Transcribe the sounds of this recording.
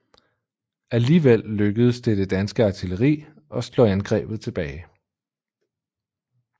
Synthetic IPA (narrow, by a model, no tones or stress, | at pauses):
æliːʋel̰løɡ̥əð̞ˠst͡sdʰe̝d̥e̝d̥ænsɡ̥əɑ̈t͡sʰiləʁḭː | ɒ̽slɔ̰ænɡ̥ʁɛ̰ːb̥ð̞̩ˠt͡sʰe̝b̥ɛːɪ